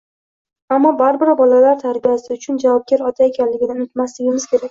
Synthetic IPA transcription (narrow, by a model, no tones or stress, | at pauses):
amːɒbaɾbɪɾbɒlalaɾt̪ʰaɾbijasɪʊt͡ʃʰʊnd͡ʒavɒp̚ɡʲaɾɒt̪ʰae̞kʲʰanlɪɡʲɪd̪anʊt̪maslɪɡʲɪmɪz̥kʲʰe̞ɾakʲ